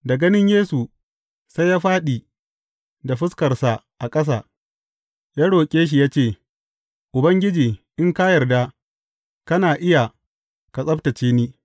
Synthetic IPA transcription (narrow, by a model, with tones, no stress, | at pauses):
dɐ˨ɡɐ˦nɪ˦ɲjeː˦su˨ | sa˦jaː˦ɸaː˦ɗiː˨ | da˨ɸɪ˦skɐ˨rsa˨ | ʔa˨kʼɐ˦s̬aː˨ | jaː˦ɽoː˨kʲʼeː˦ʃ̬i˨jaː˦t͡ʃeː˦˨ | ʔʊ˨bɐ˦ŋɡʲɪ˦d͡ʒiː˨ʔɪ˦ŋkaː˦jɐ˨rda˦ | kɐ˦naː˨ʔɪ˦ja˨ | ka˨sʼɐ˦btɐ˨t͡ʃeː˦niː˦